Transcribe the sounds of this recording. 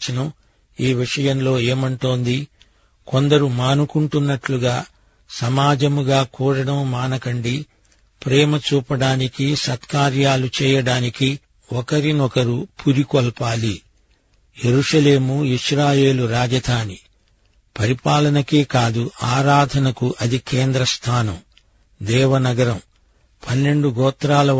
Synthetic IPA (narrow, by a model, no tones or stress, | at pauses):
t͡ʃinɐ | iːʋiʂɐjɐmlo̞ːeːmɐɳʈoːnd̪i | kond̪ɐɾumaːnukuɳʈunːɐʈluɡaː | sɐmaːd͡ʒɐmuɡaːkuːɽɐɽɐmːaːnɐkɐɳɖi | pɾɛːmɐt͡ʃuːpɐɽaːnikisɐt̪kaːɾjaːlut͡ʃɛːjɐɽaːniki | ɔkɐɾinɔkɐɾupuɾikɔlpaːli | jeɾuʂɐle̞ːmuiʃɾaːje̞ːluɾaːd͡ʒɐd̪ʰʱaːni | pɐɾipaːlɐnɐkeːkaːd̪uaːɾaːd̪ʱɐnɐkuʔɐd̪ikeːnd̪ɾɐst̪ʰaːnɐm | d̪ɛːʋɐnɐɡɐɾɐm | pɐnːe̞ɳɖuɡɔːt̪ɾaːlɐ